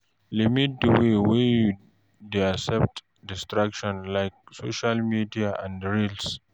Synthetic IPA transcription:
limit̚dəwewe | deasɛp̚t | dɪstɾakʃɔ̃nlajk̚soʃalmidiaʔãndɹils

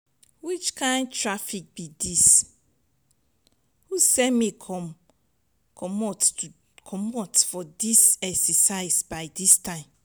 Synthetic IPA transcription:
wit͡ʃkʰãɪ̃ndtɹafik̚bidis | husɛmekʰɔm | kʰɔmɔt | kʰɔmɔtfɔdisɛksɛsaɪsbaɪdistʰãɪ̃m

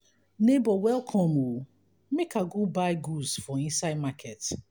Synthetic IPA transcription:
nebɔwɛlˠkʰɔ̃mu | mekʰaɡubaɪɡuzfɔĩnsaɪd̚makʰɛt

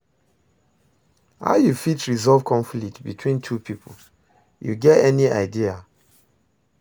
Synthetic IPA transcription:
ha̰ʊjufitɹizɔlvkʰɔ̃ɱflik̚tbitʰwĩntʰupʰipʰol | jṵɡɛtɛniaɪdia

